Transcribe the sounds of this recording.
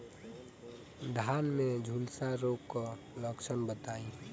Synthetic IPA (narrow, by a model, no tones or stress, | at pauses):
d̪ʱanmẽd͡ʒʱulsaɾokkə | ləksənbət̪aːĩ